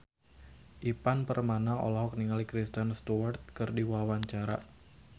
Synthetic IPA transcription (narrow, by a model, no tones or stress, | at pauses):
ʔipanpərmanao̰laɦɔk̚niŋalikɾist̪ənst̪uart̪̚kɨrdiwawaɲt͡ʃaɾa̰